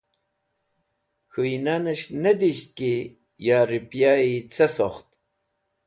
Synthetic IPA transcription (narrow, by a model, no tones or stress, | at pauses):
xuinanəʃned̪iɕt̪̚ki | jaɾipjait͡sʰesoχt̪